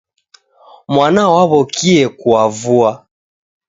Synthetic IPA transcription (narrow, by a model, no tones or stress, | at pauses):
mwanawaβɔkʰiɛkuavua